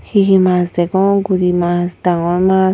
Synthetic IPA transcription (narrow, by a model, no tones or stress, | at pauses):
hiɦimasd̪eɡoŋɡuɾimasd̪aŋoma